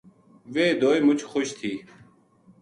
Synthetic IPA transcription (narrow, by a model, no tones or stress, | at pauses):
ʋeːd̪oːjmʊt͡ʃʰxoʃt̪ʰiː